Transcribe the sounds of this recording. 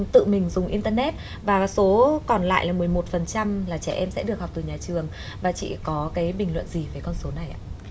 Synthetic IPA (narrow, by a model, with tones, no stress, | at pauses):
t̪ɨ̰˧˨mï˨˩ŋ̟zʊ˨˩ŋ͡mʔi˧nt̪əː˧nɛ˦˥t̚ | vaː˨˩so˨˦kɔ˨˩nla̰ː˧˨jlaː˨˩mɨ˨˩əjmo˨˩t̚fə˨˩nt͡ɕa˧mlaː˨˩t͡ɕɛ˧˩ʔɛ˧msɛ̰˧˥ɗɨ˨˩əkhk͡p̚t̪ɨ˨˩ɲaː˨˩t͡ɕɨ˨˩əŋ | vaː˨˩t͡ɕḭ˧˨kɔ˨˦kaː˨˦jɓï˨˩ŋ̟lwə̰˧˨nzi˨˩vəː˨˦jkɔ˧nso˨˦na˨˩jʔa̰ː˧